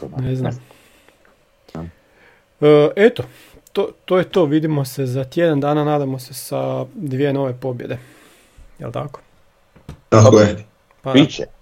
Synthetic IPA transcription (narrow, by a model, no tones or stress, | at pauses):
neznam | əʔet̪o | t̪ot̪ojet̪oːʋid̪imo̞se̞zat̪jed̪and̪aːnanaːd̪amo̞se̞sad̪ʋijeno̞ʋe̞po̞bje̞d̪e̞ | jelt̪ako̥ | t̪akoje | pa